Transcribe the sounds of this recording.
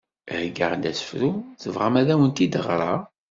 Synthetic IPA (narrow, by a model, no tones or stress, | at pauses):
hɡə̰ʁnd̪æsə̥fɾumθəvʁamæðæwənt̪id̪əʁɾˤɑ̰